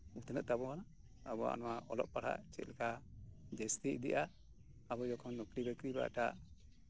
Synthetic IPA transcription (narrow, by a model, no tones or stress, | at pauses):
ut̪nəʔ̪̚t̪abɔana | abɔa̰nɔwaʔɔlɔ̰ʔ̚paɽ̤ha̰ʔt͡ʃɛ̰t̪̚ˀlɛkʰad͡ʒɛst̪iḭd̪iʔaʔː | bɔd͡ʒɔkʰɔnːɔkɾibɛkɾiba̰ʈaʔ